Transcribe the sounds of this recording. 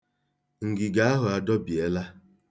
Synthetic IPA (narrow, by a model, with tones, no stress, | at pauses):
ŋ̩˨ɡɪ˨ɡa˨˦a˦ɦʊ˨a˨dɔ˦bi˨e˦la˦